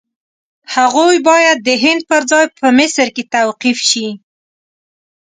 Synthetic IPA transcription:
haɣojbɑjad̪̚ːəɦɪnd̪̚pəɾzɑjpʰəmɪsəɾket̪awqifʃi

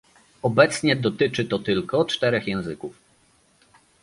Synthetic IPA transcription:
ɔbɛt̪sɲɛd̪ɔt̪ɘt͡ʂɘt̪ɔt̪ɘlkɔt͡ʂt̪ɛɾɛxjɛ̃w̃zɘkuf

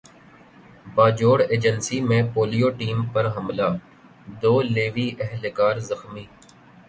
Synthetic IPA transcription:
baːd͡ʒoːɽeːd͡ʒənsimẽpoːlijoːʈiːmpɐɾɦɐmlaː | d̪oːleːʋiʔɛɦlkaːɾzəxmiː

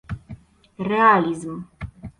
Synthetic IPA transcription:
realizm

